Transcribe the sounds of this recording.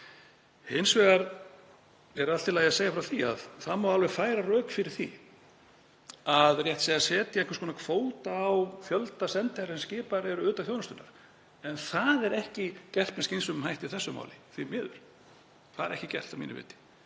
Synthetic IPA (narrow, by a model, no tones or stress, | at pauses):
hɪnsvɛːɣaɾ | ɛɾalt̪ɪlajasejafɾawθia̰ðθaðmːawalvɛfaːjɾarœːkfɪɾɪɾ̥θḭ | aðrjɛht̪sejasɛːt̪jaɛ̃ŋkvaskɔːnakʰvoːwt̪aːwfjœlt̪asɛnt̪ɪaɾsɛnscɪːpaɾɛɾʏʏːt̪avfjoːwnast̪ʏnːa̰ɾ̥ | ɛnθaðɛɾɛhcɪcɛr̥t̪nɛskcensʏmmhajht̪ɪ̥θɛsːʏma̰ːwlɪθvimɪːðʏ̰ɾ̥ | θaðɛɾɛ̰hcɪcɛ̰r̥t̪amḭːnɪ̰vɪ̰ːt̪ɪ̥